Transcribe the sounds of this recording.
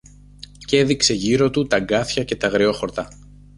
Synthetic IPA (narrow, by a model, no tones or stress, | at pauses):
ce̞ðikse̞ʝiɾo̞t̪ut̪ɐɡɐθçɐce̞t̪ɐɣɾeo̞xo̞ɾt̪ɐ